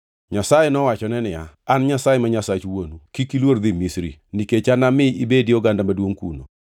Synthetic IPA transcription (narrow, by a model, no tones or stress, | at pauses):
ɲasajɛnɔwat͡ʃɔnɛnɪa̰anɲasajɛmaɲasat͡ʃwonukikilword̪imisɾḭniket͡ʃanamɪibediɔɡandamadwoŋkṵno̰